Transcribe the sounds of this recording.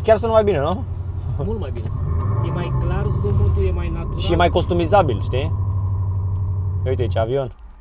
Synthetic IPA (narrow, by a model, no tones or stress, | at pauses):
kʲarsunt̪majbinenu | mult̪majbinejemajklarzɡomunt̪ujemajnat̪uʃijemajko̞st̪umizabilʃt̪i | ujt̪eit͡ʃeavio̞n